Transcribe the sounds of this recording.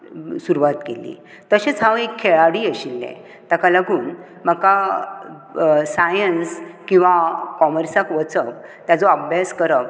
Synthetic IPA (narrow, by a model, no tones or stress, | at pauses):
suɾuʋat̪kelḭː | t̪əɕet͡sɦãʋekʰːeɭaɽiːəɕilːɛ̰̃ | t̪akalaɡuːn | m̤əka | sajənskĩw̃ʋakɔməɾsakʋət͡səʋt̪jad͡zɔəbʱjaskəɾəʋ